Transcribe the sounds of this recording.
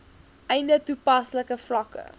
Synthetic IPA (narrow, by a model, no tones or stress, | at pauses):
ʔɛjndətupɐsləkəflɐkə̰